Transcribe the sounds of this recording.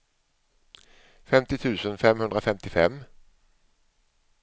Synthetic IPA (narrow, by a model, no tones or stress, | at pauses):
fɛmt̪ɪt̪ʰʉːsənfɛmhʉnd̪ʁəfɛmt̪ɪfɛm